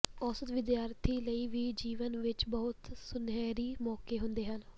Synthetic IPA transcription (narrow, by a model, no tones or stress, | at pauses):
ɔːsət̪ʋɪd̪jaːɾt̪ʰiːləiːʋiːd͡ʒiːʋənʋɪt͡ʃbɔːʊt̪sʊnɛːɾiːmɔːkeːɦʊnd̪eːɦən